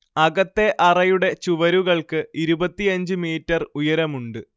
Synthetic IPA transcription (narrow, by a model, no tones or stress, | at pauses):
ɐɣɐt̪ːe̞ʔɐrɐjuɽe̞t͡ɕuʋɐɾuɣɐɭkɨiɾubɐt̪ːijɐɲd͡ʑɨmiːtːɐrujɐɾɐmuɳɖɨ